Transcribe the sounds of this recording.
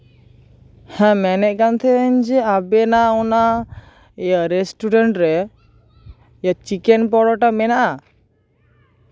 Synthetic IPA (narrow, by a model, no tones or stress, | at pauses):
hɛ̃mɛnɛʔ̚kant̪ʰɛɲd͡ʒɛabɛnaɔna | ɛjaɾɛsʈuɖɛɳʈɾɛ | jat͡ʃikɛnp̬ɔɽɔʈamɛnaʔa